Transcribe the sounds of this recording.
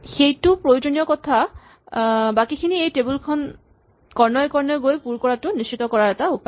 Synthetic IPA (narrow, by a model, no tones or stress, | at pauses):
xejtupɹojod͡ʑoniɔkɔt̪ʰa | bakikʰiniejtebulkʰɔn | kɔɹnɔjkɔɹnɔɡojpuɾkɔɹatuniʃt͡ɕit̪ɔkɔɹaɹɛt̪aupa